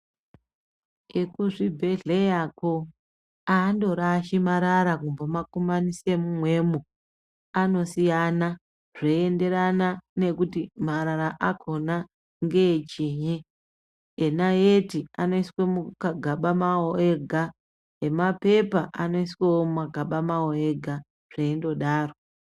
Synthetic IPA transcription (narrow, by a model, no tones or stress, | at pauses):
ekuʐibʱe̞ɮejako | aːndo̞ɾaʃimaɾaɾakumbamakomanisemumwe̞ːmu | ano̞sijana | ʐ̥eende̞ɾanane̞kutimaɾaɾaʔakʰo̞na | ŋɡe̞t͡ʃiɲeː | naetiano̞iswemukaɡʱaɓamaoeɡʱa | ɦe̞mape̞paʔano̞isweomumaɡʱaɓamaoeɡʱa | ʐ̥eindo̞ɗaːro̞